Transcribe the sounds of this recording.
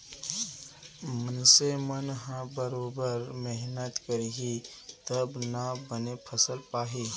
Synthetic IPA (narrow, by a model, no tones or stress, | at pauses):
mənsemənɦãbəɾoːbəɾmɛɦnət̪kəɾiɦi | t̪əbnabənepʰəsəlpaːɦi